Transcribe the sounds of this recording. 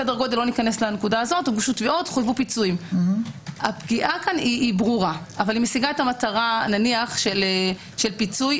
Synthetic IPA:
edaʁɡo̞t̪ilo̞nikane̞slanekudaːzo̞tuɡuʃutveotχojvupit͡suim | apɡiʔakaniːbʁuʁaʔavalimesiɡaetamataʁananiaχʃele | ʃe̞lpit͡suj

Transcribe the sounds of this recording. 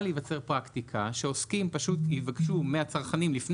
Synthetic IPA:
livat͡se̞ʁpʁakt̪ikʰaʃe̞o̞skimpaʃutivakʃumeat͡saʁχanimlifn

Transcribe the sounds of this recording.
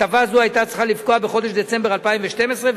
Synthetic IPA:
avazuajt̪at͡sʁeχalifko̞abe̞χo̞d̪eʃd̪et͡se̞mbe̞ʁalpaĩmveʃt̪e̞mesʁe

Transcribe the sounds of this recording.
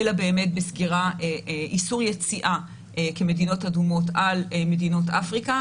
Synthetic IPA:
elabe̞ːme̞t̚besɡiʁaeʔisuʁjet͡siʔa | ke̞me̞dino̞tadumo̞talme̞dino̞tafʁika

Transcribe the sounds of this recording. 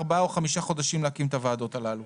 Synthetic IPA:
ʁbaoχamiʃaχo̞d̪aʃimleakimt̪avaːd̪o̞t̪alalu

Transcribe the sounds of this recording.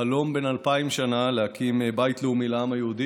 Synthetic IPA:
alo̞mbe̞nalpaimʃanalehakʰimebajit̪leumilamajeud̪i

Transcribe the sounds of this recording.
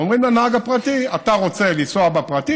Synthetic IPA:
omʁimlanaaɡapʁatiataʁo̞t͡se̞lisoabapʁati

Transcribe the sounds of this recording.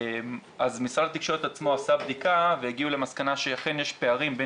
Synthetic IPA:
mazmisʁalat̪ikʃo̞ʁet̪at͡smo̞asabd̪ikaveeɡiule̞maskanaʃejaχenjeʃpe̞aʁimbe

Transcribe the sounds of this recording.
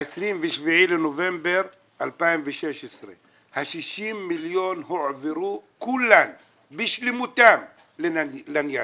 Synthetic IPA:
esʁimveʃviʕilenovembeɾ | ʔalpaimveʃeʃesʁe | haʃiʃimːiljonhoʕveɾukulːam | biʃlimut̪am | llanja

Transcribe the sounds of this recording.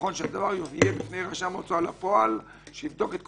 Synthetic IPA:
o̞nʃead̪avaʁjoviebifnejʁaʃamot͡soalapo̞al | ʃeivd̪o̞ket̪̚k

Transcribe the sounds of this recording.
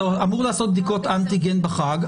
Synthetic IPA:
amuʁlaːsot̪̚bd̪iko̞t̪ant̪iɡenbaχaɡ

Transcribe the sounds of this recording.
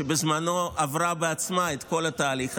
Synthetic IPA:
ebezmano̞avʁabeat͡smaet̪ko̞lat̪aːliχ

